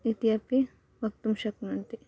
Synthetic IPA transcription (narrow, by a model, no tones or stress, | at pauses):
it̪ijɐpi | ʋɐk̚t̪umʃɐknɐnt̪i